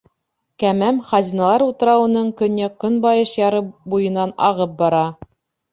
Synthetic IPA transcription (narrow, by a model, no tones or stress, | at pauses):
kæmæmχɑzʲinɑlˠɑɾut̪ɤ̆ɾɑwɤ̆nɤɴkɵ̆nːækɵnbɑjɤʃjɑɾɤbujɤ̆nɑnɑ̰ʁɤp̚bɑɾɑ